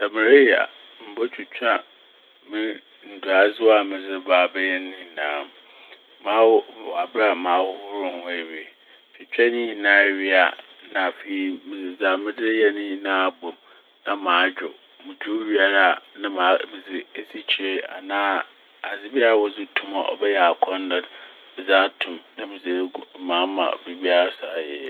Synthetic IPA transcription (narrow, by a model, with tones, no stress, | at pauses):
sa˨mɪ̃˨ɾe˦ja̰˨ | m̩˨bo˦t͡ɕʰᶣu˨t͡ɕᶣa˦ | mɪ̃˦ | n̩˨dʊ˨a˨zʊ˦a˨mɪ̃˨d͡zɪ˦baː˨bɛ˦jɛ˦nɪ̃˦˨nãː˨˦˨m | mã˨˦wa˨bɾa˨mãː˨˦hʊ˦ʊ˦ɾʊ̃˦hʊ̃˦e˨ɥi˨ | t͡ɕʰᶣɪ˨t͡ɕᶣɛ˦nĩ˦nãː˨ɥɪ˦a̰˨ | nã˨fe˨i˨mɪ̃˨d͡zɪ˨d͡za˨mɪ̃˦dɪ˦jɛ˦nĩ˦nãː˦˨bo˨ | nã˦mãː˨˦d͡ʑᶣʊ̰˨ | mʊ̃˨d͡ʑᶣu˦ɥi˦a˨ɾa˦˨nã˦mã˨˦mɪ̃˨d͡zɪ˨e˦si˦t͡ɕʰi˨ɾe˦a̰˨nãː˦ | a˨d͡zɪ˦bi˦a˦ɾa˨wɔ˦zʊ˦tʰũ˦ma̰˨ʔɔ̰˨bɛ˦jɛ˨a˨kʰɔ̃˦n˦dã˨d | bɪ˨za˦tʰũ˨mnã˦mɪ̃˨d͡zɪ˨˦mãː˦mã̰˨bi˨bi˦a˦ɾa˦sa˨jɛ̰˦